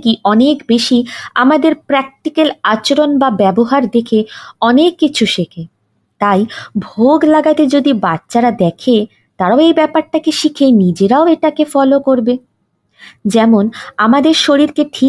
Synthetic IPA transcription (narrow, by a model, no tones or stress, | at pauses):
kiʔɔnekbeʃiamad̪eɾpɾɛk̚ʈikelat͡ɕoɾonbabɛboɦaɾd̪ekʰeɔnekːit͡ɕʰuʃekʰe | t̪ajbʱoɡlaɡat̪ed͡ʑod̪ibatːʃaɾad̪ɛkʰe | t̪aɾaoejbɛpaɾʈakeʃikʰenid͡ʑeɾaoeʈakefɔlokoɾbe | d͡ʑɛmonamad̪eɾʃoɾiɾkeʈʰi